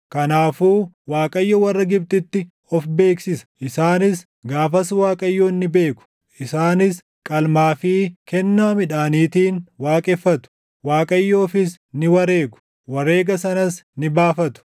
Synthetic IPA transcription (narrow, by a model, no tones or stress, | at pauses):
kɐnaːfuː | waːkʼɐjːɔwɐrːɐɡɪb̚t̪ɪt̪ːɪ | ɔfbe̞ːksɪsɐ̥ʔɪsaːnɪs | ɡaːfɐswaːkʼɐjːoːnːɪbe̞ːkʊ̥ | ʔɪsaːnɪs | kʼɐlmaːfiːkɛnːaːmɪᶑaːniːt̪iːnwaːkʼɛfːɐt̪ʊ̥ | waːkʼɐjːoːfɪs | nɪwɐɾe̞ːɡʊ̥ | wɐɾe̞ːɡɐsɐnɐsnɪbaːfɐt̪ʊ̥